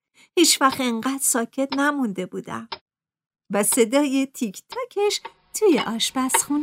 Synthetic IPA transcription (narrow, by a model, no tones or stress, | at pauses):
hiːt͡ʃvæxt̪eŋɢæːd̪sɒːcʰe̞t̪næmund̪e̞buːd̪æ̰m | væse̞d̪ɒːjet̪ʰicʰt̪ʰɒːcʰeʃ | t̪ʰujeʔɒːʃbæsxun